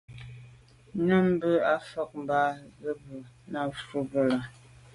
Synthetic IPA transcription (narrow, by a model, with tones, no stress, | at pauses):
nə˦m˦bə˦a˦fɔ˦k̚m̩˨baː˦ɣə˦bu˨ | na˦˨fu˦bə˦la˨